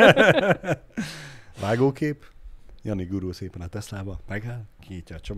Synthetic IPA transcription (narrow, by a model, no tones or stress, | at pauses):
vaːɡoːkeːpjɒniɡuɾuːseːpɛnɒt̪ɛslaːbɒmɛɡaːlkʰijiːcːɒːt͡ʃom